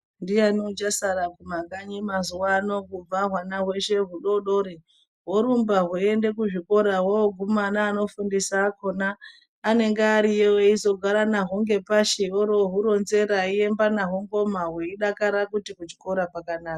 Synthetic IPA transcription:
ndijaniud͡ʒasaɾakumaɡaɲimazuwano̞kub͡vaɦwanaɦwe̞ʃe̞ɦuɗo̞ɗo̞ɾi | ɦoɾumbaɦuende̞kuʐiko̞ɾawooɡʱumanaːno̞fundisakonaː | ne̞ŋɡeaɾijeweizo̞ɡʱaɾanaɦuŋɡe̞paʃioɾoɦuɾo̞nze̞ɾaie̞mbanaɦoŋɡo̞maɦweiɗakaɾakutikut͡ʃi̥ko̞ɾapakanaːka

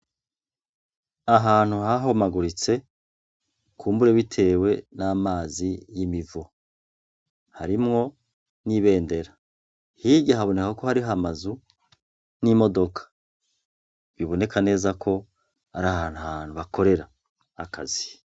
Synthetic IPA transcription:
aɦaːn̥huhaɦomaɡuɾit͡se̞ | kuːmbuɾe̞βitʰe̞ːwe̞naːmaːzijimivu | haɾimŋo̞ | niβe̞ːnde̞ɾa | hiɟaɦaβo̞nekako̞haɾiamazu | nimo̞do̞kʰḁ | βiβo̞ne̞kʰane̞ːzakʰo̞ | aɾahaːn̥hahaːn̥huβako̞ɾe̞ɾa̰ː | kʰazi̥

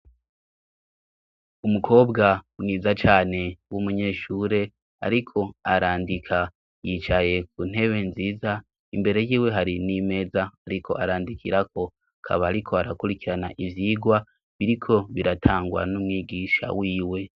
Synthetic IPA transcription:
umukʰo̞ːbɡaniːzat͡ʃaːne̞wumuɲe̞ːʃuːɾe̞ | a̰ɾikʰo̞aɾaːndikʰa | jit͡ʃaje̞k̚un̥ɦe̞βe̞nziːza | imbe̞ɾe̞jiːwe̞ɦaɾinime̞ːzaaɾikʰo̞̰ʔaɾaːndikʰiɾako̞ | akʰa̰βaːɾikʰo̞aɾakuɾikiɾana̰ʔivjiɡwa | βiɾikʰo̞βiɾatʰaːŋɡwa̰numŋiːɡiʃa̰wiːwe̞

